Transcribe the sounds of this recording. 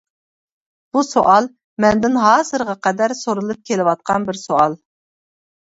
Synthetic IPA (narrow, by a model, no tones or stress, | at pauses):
b̥usoʔɑlˠ | mɛnd̪ɪnɦɑːzɨɾʁɑqɛd̪æɾsoɾɨlˠɨp̚kʲʰelɪwɑt̪̚qʰɑnbɪɾsoɑlˠ